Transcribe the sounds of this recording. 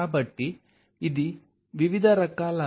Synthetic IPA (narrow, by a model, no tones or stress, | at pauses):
abɐʈːi | id̪i | ʋiʋid̪ʱɐɾɐkaːlɐ